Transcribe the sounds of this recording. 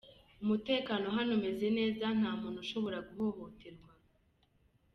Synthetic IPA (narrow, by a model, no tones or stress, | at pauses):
umute̞ːkaːno̞ɦanome̞ze̞ne̞ːzan̥haːmuːn̥huʃo̞βo̞ɾaɡuɦoβoteɾɡwa